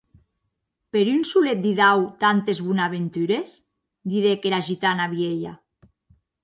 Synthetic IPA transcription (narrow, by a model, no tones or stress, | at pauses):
peɾynsulet̪̚d̪iðawt̪ant̪ezβunaβent̪yɾes | d̪iðekeɾaʒit̪anaβjeʎa̰